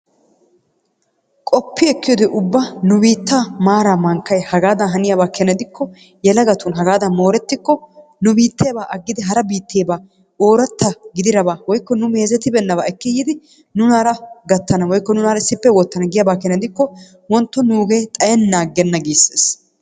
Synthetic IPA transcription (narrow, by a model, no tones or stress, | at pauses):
kʼɔpːɪɛkːɪjɔd̪ɛʔʊbːanʊbiːt̪ːaːmaːɾaːmɐŋkːɐjhɐɡaːd̪ɐnɦɐnɪjɐbaːkɛnɐd̪ɪkːɔ | jɛlɐɡɐt̪ʊnɦɐɡaːd̪ɐmo̞ːɾɛt̪ːɪkːɔnʊbiːt̪ːeːbaːʔɐɡːɪd̪ɪɦɐɾɐbiːt̪ːeːbaː | oːɾɐt̪ːɐɡɪd̪ɪɾɐbaːwɔjkːɔnʊme̞ːzɛt̪ɪbɛnːɐβaːɛkːɪjːɪd̪ɪ | nʊnaːɾɐɡɐt̪ːɐnɐwɔjkːɔnʊnaːɾɐɪsɪpːɛwɔt̪ːɐnɐɡɪjɐbaːkɛnɛd̪ɪkːɔ | wɔnt̪ːɔnuːɡe̞ːt̪ʼɐjɛnːaːɡːɛnːɐɡiːsːeːs